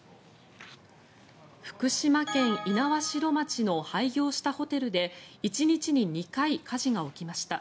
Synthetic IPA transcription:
ɸɯ̟̥kɯ̟ɕimakẽ̞ɰ̃inaβaɕiɾo̞mat͡ɕino̞haiɡʲo̞ːɕi̥t̪aho̞t̪e̞ɾɯ̟d̪e̞it͡ɕiɲ̟it͡ɕiɲ̟iɲ̟ikaikʰaʑiɡao̞kʲimaɕi̥t̪a

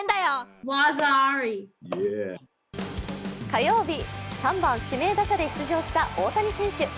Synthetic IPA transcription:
nd̪ajowazaaɹije | kajo̞ːbʲisãmbãɰ̃ɕime̞ːd̪aɕad̪e̞çi̥t͡sɨʑo̞ːɕi̥t̪aʔo̞ːt̪aɲ̟isẽ̞ɕɨ

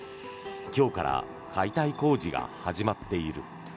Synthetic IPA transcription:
kʲo̞ːkaɾa̰ | kʰait̪aiko̞ːd͡ʑiɡa̰haʑimat̪ːe̞iɾɯ̟̰

